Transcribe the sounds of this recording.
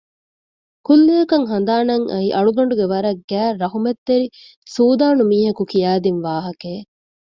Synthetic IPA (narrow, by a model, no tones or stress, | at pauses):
kulːejɐkɐŋɦɐnd̪aːnɐŋʔɐ̰iʔɐɭuɡɐɳɖuɡeʋɐɾɐɡæːɾɐɦumet̪ːeɾi | suːd̪aːnumiːɦɐkukijaːd̪inʋaːɦɐkeː